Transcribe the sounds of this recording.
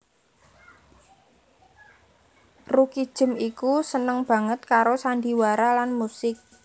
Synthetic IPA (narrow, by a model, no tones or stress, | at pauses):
rukid̥ʒ̥ə̤mikusənəŋb̥ä̤ŋət̪̚kaɾosandi̤waɾalanmusɪk̚